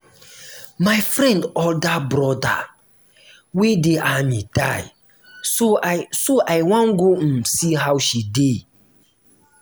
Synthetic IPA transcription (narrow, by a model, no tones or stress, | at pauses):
majfɾɛ̃ndɔldabɾɔda̰ | wedeamida̰j | sosoʔajwãnɡosiɦawʃide